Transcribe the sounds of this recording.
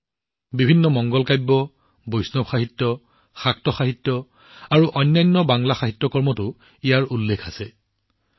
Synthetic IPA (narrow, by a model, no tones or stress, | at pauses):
bibʱinːɔmɔŋɡɔlkajbːɔ | bojsnɔbxaɦitːɔ | xak̚tɔxaɦitːɔ | aɹuʔɔjnːajnːɔbaŋlaxaɦitːɔkɔɹmɔtʊ | ijaɹulːekʰasɛ